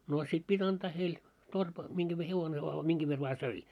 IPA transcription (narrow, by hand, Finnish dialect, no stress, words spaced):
noː sit pitʲ ɑnd̥ɑː heil torp miŋɡ̊æʋ ʋe heʋone ʋɑː miŋɡ̊æʋ ʋer ʋɑː søi